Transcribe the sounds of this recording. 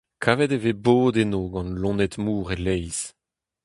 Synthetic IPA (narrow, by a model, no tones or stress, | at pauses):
kʰaːvɛd̪eveboːd̪enoɡɑ̃nlɔ̃nɛtmuːʁelɛjz̥